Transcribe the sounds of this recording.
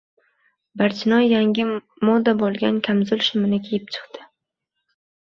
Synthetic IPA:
baɾt͡ʃʰɪnɒjːaŋʲɪ | mɒd̪abolˠɡʲankʲʰamzʊlʃʊmɪnɪkʲʰejɪp̚t͡ʃʰɨ̥qt̪ɪ̥

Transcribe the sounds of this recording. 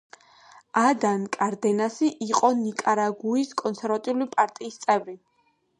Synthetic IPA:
ad̪ankʼaɾd̪ɛnasiʔiqʼɔnikʼaɾaɡuiskʼɔnsʰɛɾvat̪ʼiulipʼaɾt̪ʼiːst̪sʼɛvɾi

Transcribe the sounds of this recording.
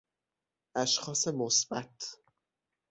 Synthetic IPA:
ʔæʃxɒːse̞mosbæt̪ʰ

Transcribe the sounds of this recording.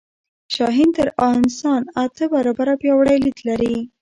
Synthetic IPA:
ʃɑɦint̪əɾɑɪnsɑnat̪əbaɾɑbaɾapjɑwɽajlid̪laɾi

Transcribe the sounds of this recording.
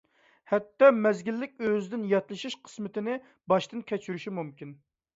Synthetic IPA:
hɛt̪ːɑmɛzɡʲilːɪk̚ʲøzɪd̪ɪnjɑt̪lˠɨʃiʃqʰə̥smɪt̪ɪnɪ | bɑʃt̪ɨnkʲʰɛt͡ʃʰyɾyʃimumkʲin

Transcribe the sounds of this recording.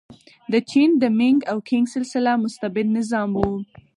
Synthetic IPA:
d̪ət͡ʃind̪əmɪŋɡawkʰɪŋɡsɪlsɪlamʊst̪abɪd̪nɪzɑmwu

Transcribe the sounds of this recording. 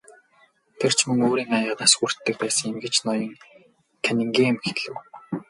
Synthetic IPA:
t̪ʰer̥t͡ɕʰmɵŋoːɾiːŋajə̆ːnaːsxur̥t̪ːɘ̆k̚pæːsə̆ŋemɡet͡ɕnɔjɞ̆ŋ | kʰænʲɘ̆ŋɡiːmxeɮɘ̆w

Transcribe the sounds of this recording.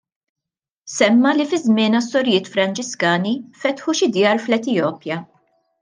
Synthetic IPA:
sɛmːɐlifɪzmɪːnɐst̪ɔɾjɪːt̪fɾɐnt͡ʃɪskɐːnifɛt̪ħuʃɪd̪jɐːɾflɛt̪ɪjɔːpjɐ

